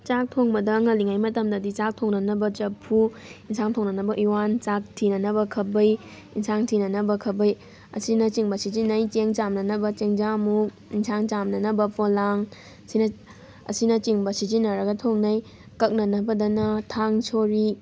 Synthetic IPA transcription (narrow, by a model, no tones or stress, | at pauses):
t͡ʃak̚tʰoŋbɐdɐŋɐliŋajmɐtɐmdɐdit͡ʃak̚tʰoŋnɐnɐbɐt͡ʃɐpʰuinsʰaŋtʰoŋnɐnɐbɐʔiwant͡ʃak̚tʰinɐnɐbɐkʰɐbɐj | insaŋtʰinɐnɐbɐkʰɐbɐj | ɐ̰sinɐt͡ʃiŋbɐsid͡ʒinɐjt͡ʃeŋt͡ʃamnɐnɐbɐt͡ʃeŋd͡ʒamuk | insʰaŋt͡ʃamnɐnɐbɐpʰolaŋ | sinɐ | ɐ̰sinɐt͡ʃiŋbɐsid͡ʒinːɐɾɐɡɐtʰoŋnɐj | kɐk̚nɐnɐbɐdɐnɐtʰaŋsʰoɾi